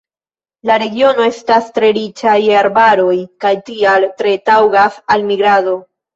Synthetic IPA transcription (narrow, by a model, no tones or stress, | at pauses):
laɾe̞ɡio̞no̞e̞stastɾe̞ɾit͡ʃajaɾbaɾo̞jkajtialtɾe̞tawɡasalmiɡɾado̞